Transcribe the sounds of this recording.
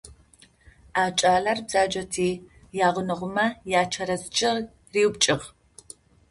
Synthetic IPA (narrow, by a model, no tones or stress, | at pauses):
aːt͡ʃʼaːɮɐrbz̥aːd͡ʒɐtʰiː | jaːʁʷʊnɨʁʷʊmɐjaːt͡ʃʰɐɾɐzt͡ʃʼɪʁ | riːwbt͡ʃʼɪʁ